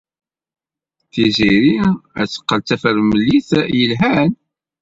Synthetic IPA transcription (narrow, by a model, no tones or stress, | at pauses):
θiziɾiæ̰sə̥qːəlt͡sːæfəɾməlːiθjəlɦæn